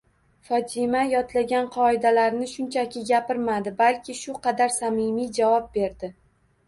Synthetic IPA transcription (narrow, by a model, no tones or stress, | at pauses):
fɒt̪ʰɪmajɒt̪laɡʲanqʰɒɪd̪alaɾnɪʃʊnt͡ʃʰakʲɪɡʲapɪɾmad̪ɪbalkʲʰɪʃʊqʰɑd̪aɾsamɪmijd͡ʒavɒp̚be̞ɾd̪ɪ